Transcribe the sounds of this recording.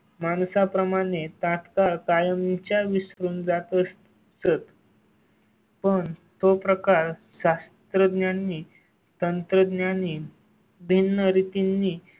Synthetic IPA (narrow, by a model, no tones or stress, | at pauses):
mansapɾəmaɽ̃et̪ãt̪kaɾkajəmit͡ɕjaʋisɾuːnd͡zat̪əs | sət̪ | pəɳt̪opɾəkaɾɕast̪ɾəd̪njanːiː | t̪ənt̪ɾəd̪njani | bʱinːəɾit̪inːiː